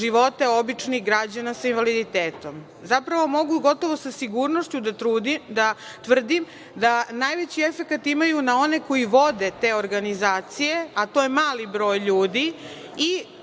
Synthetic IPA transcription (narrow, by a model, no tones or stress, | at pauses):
ʒiʋo̞t̪eo̞bit͡ʂniɣɡɾad͡ʑanasainʋalid̪it̪eːt̪o̞m | zapɾaʋo̞mo̞ɡuɡo̞t̪o̞ʋo̞sasiɡuːɾnoʃt͡ɕud̪at̪ɾuːd̪id̪at̪ʋr̩d̪im | d̪anaːjʋet͡ɕie̞fe̞kat̪imajunao̞ne̞ko̞jiʋo̞d̪e̞t̪e̞ːoɾɡanizaːt̪sije̞at̪o̞jemaːlibɾo̞ːjʎuːd̪i | i